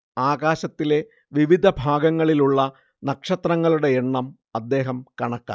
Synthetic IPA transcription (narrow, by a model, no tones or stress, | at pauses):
aːɣaːɕɐt̪ːile̞ | ʋiʋid̪ʱɐbʱaːɡɐŋːɐɭiluɭːɐ | nɐkʂɐt̪rɐŋːɐɭuɽe̞eɳːɐm | ɐd̪ːe̞ːɦɐmkɐɳɐkːa̰ː